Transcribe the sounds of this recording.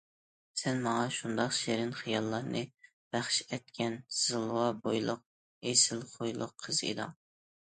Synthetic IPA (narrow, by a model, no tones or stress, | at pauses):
sɛnmɑŋɑʃund̪ɑqʃeɾɪnχijɑlˠːɑɾnɨ | b̥æχʃɛt̪kʲʰɛnz̥ɨlˠwɑbojlˠʊq̚ | esɪlˠχojlˠʊ̰qʰːəz̥ḛd̪ɑ̰ŋ